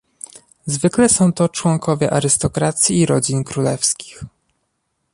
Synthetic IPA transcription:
zvɘklɛsɔ̃w̃t̪ɔt͡ʂwɔŋkɔvʲjɛʔaɾɘst̪ɔkɾat̪sʲjiːɾɔd͡ʑinkɾulɛfskʲi̥x

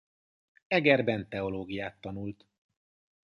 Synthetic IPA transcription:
ɛɡɛrbɛnt̪ɛo̞loːɡijaːt̪ːɒnult̪

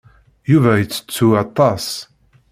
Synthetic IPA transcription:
juvæjət͡sːə̥t͡sːuɑt̪ˤːɑs

